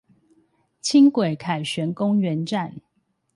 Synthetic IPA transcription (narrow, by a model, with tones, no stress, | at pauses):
t͡ɕʰi˦ŋkwe˨˩ɪkʰa˨˩ɪɕɥɛ˨˦nkʊ˦ŋɥɛ˨˦nʈ͡ʂa˥˨n